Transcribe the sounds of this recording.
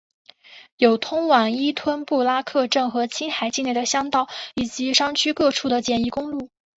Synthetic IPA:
jo˨˩ʊt̪ʰʊ˥ŋwa˨˩ŋi˥t̪ʰwə˥npu˥˩la˥kʰɤ˥˧ʈ͡ʂɤ˥˩ŋxɤ˧˥t͡ɕʰi˥nxa˨˩ɪt͡ɕi˥˧ne˥˩ɪd̪ə˩ɕjɑ˥ŋt̪ɑ˥˩ʊi˨˩t͡ɕi˧˥ʂɑ˥ŋt͡ɕʰy˥kɤ˥˧ʈ͡ʂʰu˥˩d̪ə˩t͡ɕjɛ˨˩ni˧˥kʊ˥ŋlu˥˩

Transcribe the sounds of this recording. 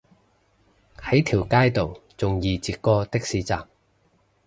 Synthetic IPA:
hɐ˨˥jt̪ʰiː˨˩wkaː˥jt̪o˨wt͡sʊ˨ŋjiː˨˧t͡siː˧t̚kɔː˥t̪ɪ˥k̚siː˨˧˥t͡saː˨k̚

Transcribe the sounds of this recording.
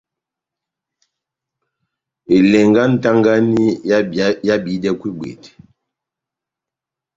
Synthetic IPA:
e˨lɛ˨ŋɡa˦n̩˦ta˦ŋɡa˦ni˦ | ja˦bi˨˦dɛ˦kwi˦bwḛ˨t

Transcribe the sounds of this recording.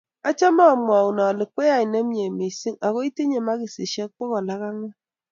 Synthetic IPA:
a˦t͡ʃa˦ma˦˨mʷ˨a˨u˨na˨li˨k͡pe˦ja˨i˨ne˦m˦ɲe˨me˨si˦ŋa˨ko˦i˦ti˦ɲe˨ma˦ki˨se˨ʃe˦k̚k͡pɔ˦kɔ˨la˦ɣa˦ŋa˦

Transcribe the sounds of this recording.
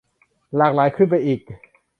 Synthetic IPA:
laː˨˩k̚laː˩˦jkʰɯ˥˩npa˧jʔiː˨˩k̚

